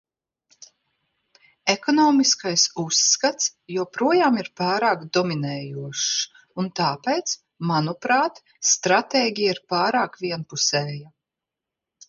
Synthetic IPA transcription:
ekɔnɔːmiskajsusːkat̪sjuɔpɾuɔjaːmiɾpaːɾaːkd̪ɔminɛːjuɔʃ | unt̪aːpejt̪s | manupɾaːt̪ | st̪ɾat̪eːɡʲijaiɾpaːɾaːkviɛnpusɛːja

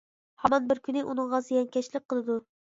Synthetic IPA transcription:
hɑmɑnbɪɾkʲynɪʔunɨŋʁɑzɨjɛŋkʲʰɛt͡ʃlɪk̚ʲqʰːəlˠɨd̪u

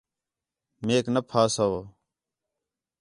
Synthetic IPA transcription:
meːknəpʰaːsaoː

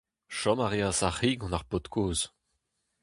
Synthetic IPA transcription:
ʃɔmaʁeãsaχiɡɔ̃naʁpot̪kʰoːz

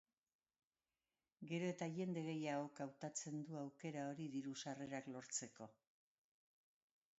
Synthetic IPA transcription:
ɡe̞ɾo̞e̞t̪aʝe̞nd̪e̞ɣe̞jaɣo̞kawt̪at͡se̞nd̪uawke̞ɾao̞ɾiðiɾusare̞ɾaklo̞ɾt͡se̞ko̞

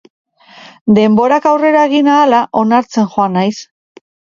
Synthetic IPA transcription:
d̪e̞mbo̞ɾakawre̞ɾaeɣinaːlaʔo̞naɾt͡se̞nʝoanajs

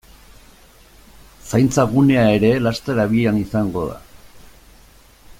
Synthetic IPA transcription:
sajnt͡saɣune̞ae̞ɾe̞last̪eɾaβianisaŋɡo̞ða̰

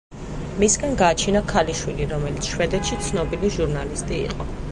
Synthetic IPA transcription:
misɡanɡaːt͡ʃʰinakʰaliʃwiliɾɔmɛlit̪sʰʃwɛd̪ɛt̪ʃit̪sʰnɔbiliʒuɾnalist̪ʼḭːqʼɔ

